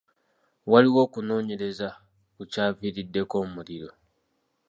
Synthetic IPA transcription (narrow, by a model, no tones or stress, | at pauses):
waliwo̞ːkuno̞ːɲe̞ɾe̞za | kucaːviɾidːe̞ko̞ːmuliɾo̞